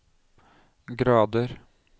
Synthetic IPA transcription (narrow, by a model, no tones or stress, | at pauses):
ɡɾɑːd̪əɾ